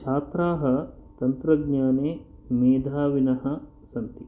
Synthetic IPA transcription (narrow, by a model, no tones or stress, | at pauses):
t͡ʃʰaːt̪ɾaːɦɐ̆t̪ɐnt̪ɾɐɡɲaːneːmeːd̪ʱaːʋinɐɦɐ̆ | sɐnt̪i